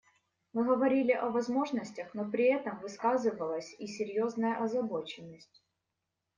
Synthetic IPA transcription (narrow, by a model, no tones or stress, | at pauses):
mɨɣəvɐɾʲilʲɪʔɐvɐzmo̞ʐnəsʲtʲəxnopɾʲɪɛt̪əmvɨskazɨvəlˠəsʲisʲɪɾʲjo̞znəjəʔɐzɐbo̞t͡ɕɪnːəsʲtʲ